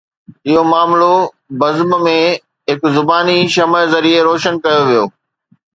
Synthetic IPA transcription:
ɪɦomaːmlo | bɐzbmẽ | ɦɪkzʊbaːniʃɐməzɐɾieɾoːʃənkɐjoʋijoː

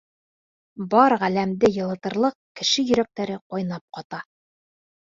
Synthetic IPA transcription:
bɑɾʁælæmd̪ɘjɤ̆lˠɤ̆t̪ɤ̆ɾlˠɤq̚kɘ̆ʃɘjɵ̆ɾæk̚t̪æɾɘqojnɑp̚qɒt̪ɑ

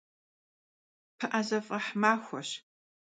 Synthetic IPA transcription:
pʰɨʔazɐfʼɐħmaːxʷɔɕ

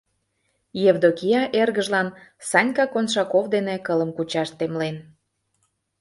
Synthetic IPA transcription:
jevd̪okijɑʔerɣəʒlɑnsɑnʲkɑkonʃɑkovd̪enekələmkut͡ɕɑʃt̪emlen

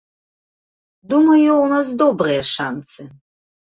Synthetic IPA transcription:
d̪umɐjuwnas̬d̪ɔbrɨjɐʂant̪sɨ

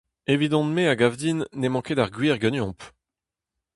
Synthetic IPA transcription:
evid̪ɑ̃t̪meaɡavd̪inːɛmɑ̃ked̪aʁɡɥiːʁɡənjɔ̃p

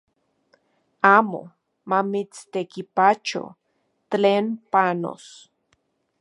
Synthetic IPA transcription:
amo̰ | mamit͡st̪ekipat͡ʃo̰ | t̪leːnpano̰s

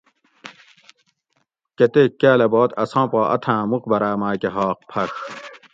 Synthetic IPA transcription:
ket̪ekːæːlɐbɔːt̪ʰɐsɑ̃ːpɑːʔɐ̰t̪ʰãːmuqbɐɾaːmaːkeɦɑːq̚pʰɐk

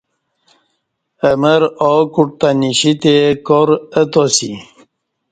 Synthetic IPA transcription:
əməɾokuʈ̚t̪aniɕit̪ekoɾət̪osi

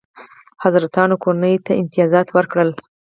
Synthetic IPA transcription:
hazɾat̪ɑnokoɾanəjt̪aɪmt̪ijɑzɑt̪wəɾkɽəl

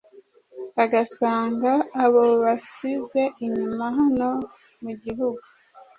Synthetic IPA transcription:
aɡasaːŋɡaːβo̞βasize̞ʔiɲumaɦano̞ | muɟiɦuɡu

